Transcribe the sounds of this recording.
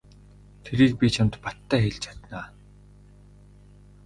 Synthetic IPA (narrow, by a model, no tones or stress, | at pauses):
t̪ʰeɾiːk̚pʲit͡ɕʰamt̪pat̪ːæːxeɮt͡ɕʰḁt̪naː